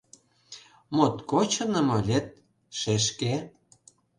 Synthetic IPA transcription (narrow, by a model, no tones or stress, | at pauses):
mot̪kot͡ɕɤ̆nɤ̆mɤ̆lʲet̪̚ | ʃeʃke